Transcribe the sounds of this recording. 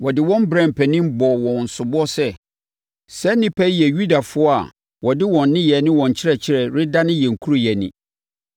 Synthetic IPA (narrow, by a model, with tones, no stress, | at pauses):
wɔ˨dɪ˨wɔ̃˦m˦bɾɛ̃˨m˨pʰɛ˨nĩ˦m˦bɔ˨wɔ̃˨n̩˨sʊ˨bɔ˦sɛ˦ | sɛ˦nɪ̃˦pʰɛ˦jɛ˨ju˦da˨fʊ˦ɔ˦a̰˨ | wɔ˨dɪ˦wɔ̃˨n̩ː˦ɪ̃˦jɛ˨nɪ̃˦wɔ̃˨ɲ̩˨t͡ɕʰɪ˦ɾɛ˨t͡ɕʰɪ˦ɾɛ˨ɾɪ˦da˦nɪ̃˦jɛ˨ŋ̩˨kʰu˦ɾʊ˦˨jɛ˨nɪ̰̃˨